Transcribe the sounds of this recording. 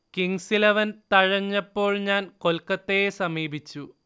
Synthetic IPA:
kiŋsilɐʋɐnt̪ɐɻɐɲːɐpːo̞ːɭɲaːnko̞lkːɐt̪ːejesɐmiːbʱit͡ɕːu

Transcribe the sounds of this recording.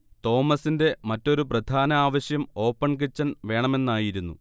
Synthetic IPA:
t̪o̞ːmɐsinde̞mɐtːo̞ɾuprɐd̪ʱaːnɐaːʋɐɕjɐmo̞ːpːɐɳk̬it͡ɕːɐnʋe̞ːɳɐme̞nːaːjiɾunːṵ

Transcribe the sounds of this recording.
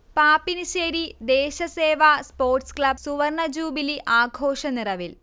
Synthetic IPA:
paːpːinɨɕeːɾid̪eːɕɐseːʋaspoːrʈskɭɐb̚suʋɐrɳɐd͡ʑuːbiliʔaːɡʱoːʂɐnirɐʋil

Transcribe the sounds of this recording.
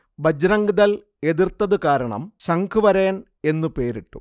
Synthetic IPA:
bʱɐd͡ʑɾɐŋɡiðɐl | e̞ðirt̪ːɐðɨkaːɾɐɳɐ̰mɕɐŋɡʰɨʋɐɾeːn | e̞nːupe̞ːɾiʈːṵ

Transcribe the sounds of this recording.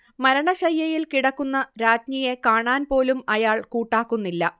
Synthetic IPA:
mɐɾɐɳɐɕɐjːɐjilkiɽɐkːunːɐɾaːd͡ʑɲije̞kaːɳaːnpo̞ːlumɐjaːɭkuːʈːaːkːunːilːɐ

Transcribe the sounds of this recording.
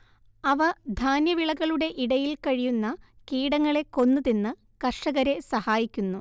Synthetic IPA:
ɐʋɐd̪ʱaːnjɐʋiɭɐɣɐɭuɽe̞ʔiɽɐjilkɐɻijunːɐ | kiːɽɐŋːɐɭe̞ko̞nːɨðinːɨ | kɐʂɐɣɐɾe̞sɐhaːjikʲːunːu

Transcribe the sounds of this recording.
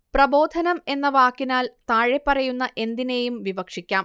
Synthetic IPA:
prɐbo̞ːd̪ʱɐnɐme̞nːɐʋaːkːinaːlt̪aːɻepːɐrɐjunːɐʔe̞nd̪ine̞jumʋibɐkʂikʲːaːm

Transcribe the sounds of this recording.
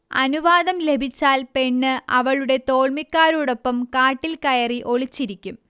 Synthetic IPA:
ɐ̰nuʋaːðɐmle̞bʱit͡ɕːaːlpe̞ɳːɨʔɐʋɐɭuɽe̞t̪o̞ːɭmikːaːɾoːɽo̞pːɐmkaːʈːilkɐjɐriʔo̞ɭit͡ɕːiɾikʲːum

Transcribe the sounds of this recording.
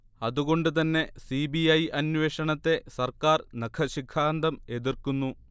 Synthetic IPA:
ɐðuɣo̞ɳɖɨt̪̬ɐnːe̞sibiɐjʔɐnʋeːʂɐɳɐt̪ːe̞sɐrkaːrnɐkʰɐɕikʰːaːnd̪ɐme̞ðirkunːu

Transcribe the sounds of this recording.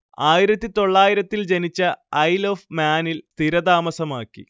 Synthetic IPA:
aːjiɾɐt̪ːit̪o̞ɭːaːjiɾɐt̪ːild͡ʑenit͡ɕːɐɐjloːfmaːnilst̪iɾɐd̪aːmɐsɐmaːkːḭ

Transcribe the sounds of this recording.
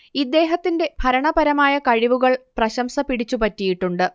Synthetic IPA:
id̪ːe̞ːɦɐt̪ːinde̞bʱɐɾɐɳɐbɐɾɐmaːjɐkɐɻiʋuɣɐɭprɐɕɐmsɐpiɽit͡ɕːupɐtːijiʈːuɳɖɨ

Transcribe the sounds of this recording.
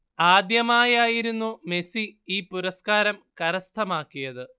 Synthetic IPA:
aːd̪jɐmaːjaːjiɾunːume̞siiːpuɾɐskaːɾɐmkɐɾɐst̪ʰɐmaːkːijɐðɨ

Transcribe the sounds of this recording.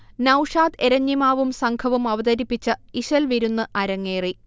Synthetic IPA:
nɐwʂaːt̪eɾɐɲːimaːʋumsɐŋkʰɐʋumɐʋɐd̪ɐɾipːit͡ɕːɐiɕɐlʋiɾunːɨʔɐɾɐŋːeːri

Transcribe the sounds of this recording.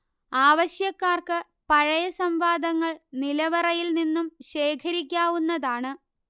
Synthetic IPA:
aːʋɐɕjɐkːaːrkɨ | pɐɻɐjɐsɐmʋaːd̪ɐŋːɐɭnilɐʋɐrɐjilninːumɕe̞ːkʰɐɾik̬ʲːaːʋunːɐðaːɳɨ

